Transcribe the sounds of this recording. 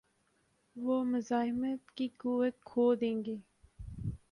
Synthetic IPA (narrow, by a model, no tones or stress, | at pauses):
ʋoːmʊzɑːɦɪmət̪kikuwət̪̚kʰoːd̪ẽːŋɡeː